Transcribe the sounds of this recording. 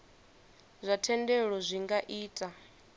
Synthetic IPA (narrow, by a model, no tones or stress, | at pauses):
zʷatʰɛndɛɺɔzʷiŋɡaʔiːtʼa